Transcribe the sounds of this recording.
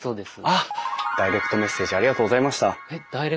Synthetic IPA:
soːd̪esɨ | d̪̥aiɾe̞kɯ̥t̪o̞me̞sːeːʑiaɾʲiɡat̪oːɡozaimaɕi̥t̪aed̪̥aiɾe

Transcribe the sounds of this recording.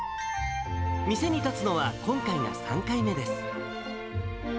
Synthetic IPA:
mʲise̞ɲ̟it̪at͡sɨno̞β̞akõ̞ŋkaina̰sã̰ŋkaime̞d̪e̞sɨ̥

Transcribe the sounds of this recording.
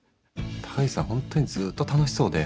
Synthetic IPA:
t̪ʰḁisãhõ̞nt̪o̞ɲ̟izɨːt̪ːot̪ano̞ɕi̥so̞ːd̪e

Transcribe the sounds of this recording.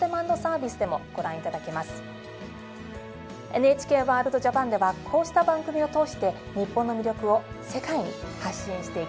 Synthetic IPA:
t̪emãnːo̞saːbʲisɨd̪e̞mo̞̰ɡ̥o̞ɾãɰ̃it̪ad̪ake̞masɨ̥ | e̞nɯe̞t͡ɕi̥ke̞ːβaːɾɯ̟d̪o̞ʑapãnd̪e̞βakʰo̞ːɕi̥t̪abãŋɡɯ̟mʲio̞t̪o̞ːɕi̥t̪e̞ | ɲ̟ipːõ̞nːo̞mʲiɾʲo̞kɯ̟o̞ | se̞kaiɲ̟ḭhaɕĩɰ̃ɕi̥t̪e̞i

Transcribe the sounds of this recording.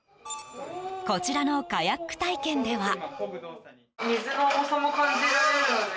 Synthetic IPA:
ko̞t͡ɕiɾano̞kajakːɯ̟̥t̪aikẽ̞nd̪e̞βa | mʲizɨnoosamokãɲd͡ʑiɨo

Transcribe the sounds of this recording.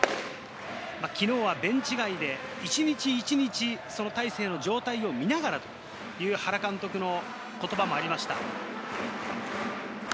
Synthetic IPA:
makʲino̞ːβabẽ̞ɲ̟t͡ɕiɡaid̪e̞it͡ɕiɲ̟it͡ɕiːt͡ɕiɲ̟it͡ɕiso̞no̞t̪aise̞ːno̞d͡ʑo̞ːt̪aio̞mʲinaɡaɾat̪o̞̥ | jɯ̟ːhaɾakãnt̪o̞kɯ̟no̞ | ko̞t̪o̞bamo̞aɾʲimaɕi̥t̪a

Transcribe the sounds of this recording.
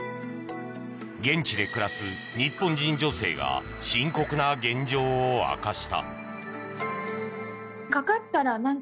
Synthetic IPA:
ɡẽ̞ɲt͡ɕid̪e̞kɯ̟ɾasɨ | ɲ̟ipːõ̞ɲd͡ʑĩɲd͡ʑo̞se̞̰ːɡa̰ | ɕĩŋko̞kɯ̟naɡẽ̞ɲd͡ʑo̞ːa̰kaɕi̥t̪a̰ | kakat̪ːaɾanãŋ

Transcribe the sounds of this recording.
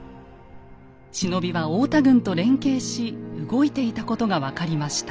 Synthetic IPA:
ɕino̞bʲiβaoːt̪aɡɯ̟̃nt̪oɾẽ̞ŋke̞ːɕiɯɡo̞it̪e̞it̪ako̞t̪o̞ɡaβakaɾʲimaɕi̥t̪ḁ

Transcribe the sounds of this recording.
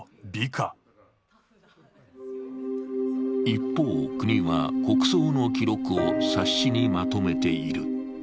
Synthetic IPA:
bʲikʰa | ipːo̞ːkɯ̟ɲ̟iβa̰ko̞kɯ̟̥so̞ːno̞kʲiɾo̞kɯ̟osaɕːiɲ̟imat̪o̞me̞t̪e̞iɾɯ̟̰

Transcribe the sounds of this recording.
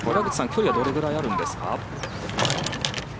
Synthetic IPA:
koɾeaɡɯ̟t͡ɕi̥sãŋkʲo̞ɾʲiβad̪o̞ɾe̞ɡɯ̟ɾaiaɾɯ̟̃nd̪e̞sɨ̥ka̰

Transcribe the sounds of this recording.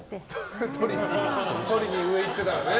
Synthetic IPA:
t̪t̪ʰoɾʲiɲit̪oɾʲiɲ̟iɯ̟e̞it̪ːe̞t̪ajone

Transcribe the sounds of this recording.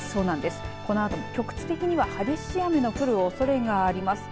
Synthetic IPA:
so̞ːnãnd̪e̞sɨ̥ko̞no̞at̪o̞mo̞kʲo̞kɯ̥t͡ɕi̥t̪e̞kʲiɲ̟iβahaɡʲeɕiame̞no̞kɯ̟ɾɯ̟oso̞ɾe̞ɡaːɾʲimasɨ̥

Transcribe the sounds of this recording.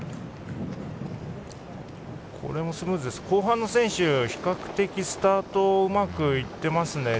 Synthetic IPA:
kʰo̞̰ɾe̞mo̞sɨmɯːzɨd̪e̞sɨ̥ko̞ːɦãnːo̞sẽ̞ɕɨçi̥kakɯ̟̥t̪e̞kʲisɨ̥t̪aːt̪o̞ɯ̟makɯ̟it̪ːe̞masɨne̞

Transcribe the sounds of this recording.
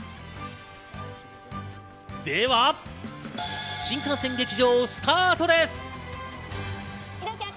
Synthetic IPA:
d̪eβa | ɕĩŋkãɰ̃sẽ̞ŋɡʲe̞kʲiʑo̞ːsɨ̥t̪ʰaːt̪o̞d̪e̞sɨ̥

